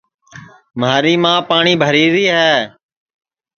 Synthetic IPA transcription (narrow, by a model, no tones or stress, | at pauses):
maːɾiːmãːpaːɳiːbʱəɾiːɾiːɦɛː